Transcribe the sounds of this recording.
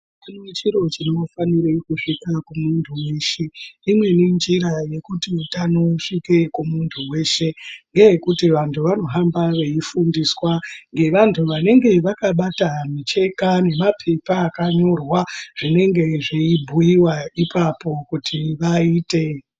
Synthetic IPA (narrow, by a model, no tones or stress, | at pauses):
inot͡ʃiɾo̞t͡ʃino̞faniɾikuʂikakumuntʰuwe̞ːʃeimwe̞nind͡ʒiɾaje̞kutitano̞ʂike̞kumuntʰuwe̞ːʃe̞ŋɡe̞je̞kutiʋantʰuʋano̞ɦambaʋeifundiswaŋɡe̞ʋantʰuʋane̞ŋɡe̞ʋakaɓatamit͡ʃe̞kane̞mapʰe̞paːkaɲo̞rwaʐ̥ine̞ŋɡe̞ʐeibʱujiwaipʰapo̞kutʰiʋaiːte̞